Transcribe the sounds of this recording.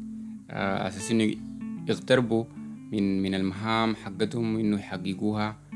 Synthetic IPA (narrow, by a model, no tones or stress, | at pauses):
ʔa̰saːsʔinːuiɣt̪ɑɾˤbuminminalmaɦaːmħaɡːat̪humʔinːujħaɡːiɡuːha